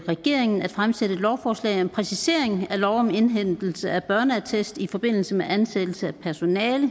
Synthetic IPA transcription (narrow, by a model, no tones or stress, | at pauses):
ʁɛɡ̥e̝̰ɐ̰eŋn̩æ̥fʁamsed̥əed̥lɒʊfɒːslɛ̰ɪɒmpʰʁɛsise̝ɐ̰e̝ŋælɒʊɒ̽me̝nɦen̰d̥l̩səæb̥ɶɐnəæt͡sʰesd̥ifɒ̽b̥e̝n̰l̩səmeʔænsed̥l̩səæpʰæɐso̝nɛːlə